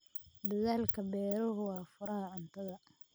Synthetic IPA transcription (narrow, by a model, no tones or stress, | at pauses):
d̪ɐðaːlkʰɐbɛːɾʊɦʊwɑːfʊɾɐɦɐʕʊnt̪ʰɐðɐ